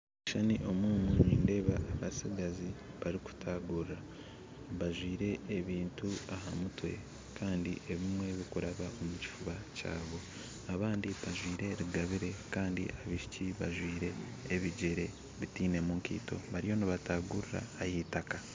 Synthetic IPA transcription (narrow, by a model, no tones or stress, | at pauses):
iʃaniʔo̞muːmunḭːnde̞ːβaʔβasiɡazi | βaɾiku̥tʰaːɡuɾɾa | βaʒwiːɾe̞ːβiːntuaɦamutwe̞̰ | kaːndḭʔe̞βimwe̞βikuɾaβaʔo̞muci̥fuβaca̰ːβo̞ | aβaːndiβaʒwiːɾe̞ɾiɡaβiɾe̞kaːndḭʔaβiʃi̥ciβa̰ʒwiːɾe̞ː | βiɟeɾe̞ | βitiːne̞muŋkḭːto̞̰βaɾijo̞niβataːɡuɾiɾa̰ːjitaka